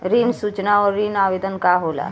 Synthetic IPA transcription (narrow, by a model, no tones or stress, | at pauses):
ɾiːnsuːt͡ʃnaɔːɾːiːnaːʋeːd̪ənkaɦoːla̰